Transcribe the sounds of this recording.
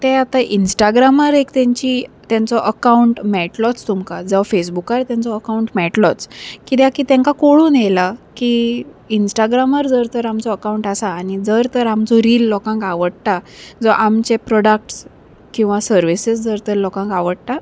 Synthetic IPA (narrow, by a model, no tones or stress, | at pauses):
t̪ɛat̪aʔinsʈaɡɾamaɾekt̪jɛ̃ɲt͡ɕit̪jãnt͡sɔʔəkauɳʈmɛʈlɔt͡st̪umkad͡zəʋfesbukaɾt̪jãnt͡sɔəkauɳʈmɛʈlɔt͡skit̪jakit̪ɛ̃ŋkakoɭuːnjelaki | insʈaɡɾaməɾd͡zəɾt̪əɾamt͡sɔəkauɳʈasaːñid͡zəɾt̪əɾamd͡zɔɾiːlːɔkãŋkaʋəɽt̪ad͡zɔʔamt͡ɕepɾɔɽak̚ʈs | kĩw̃ʋasəɾʋisəsd͡zəɾt̪əɾlɔkãŋkaʋəɽt̪a